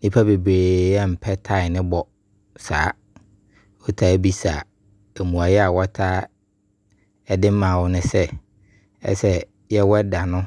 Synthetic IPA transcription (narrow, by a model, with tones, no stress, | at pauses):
nĩ˦pʰa˦be˨bɾeː˨ɛ˦m̩˨pʰɛ˦tʰa˦˨ɪ˨nɪ̃˦bɔ˨ | saː˨˦ | wɔ˦tʰa˦bi˦saː˨ | e˨mũ˨a˨jɛ˦a˨wɔ˦tʰaː˦ | ɛ˦dɪ˦m˦mã˨wʊ˦nʊ̃˦sɛ˦ | ɛ̰˦sɛ˦ | jɛ˦wɔ˦da˨nʊ̃˦